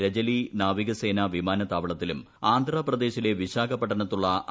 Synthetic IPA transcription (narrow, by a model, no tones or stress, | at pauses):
ɾɐd͡ʑɐlinaːʋiɣɐse̞ːnaʋimaːnɐt̪aːʋɐɭɐt̪ːilum | aːnd̪ʱrɐprɐd̪e̞ːɕile̞ʋiɕaːɡɐpːɐʈːɐnɐt̪ːuɭːɐ